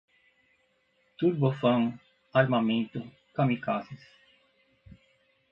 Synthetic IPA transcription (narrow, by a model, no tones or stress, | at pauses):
t̪uɾbofɐ̃ŋ | aɾmamẽnt̪ʊ | kamikasis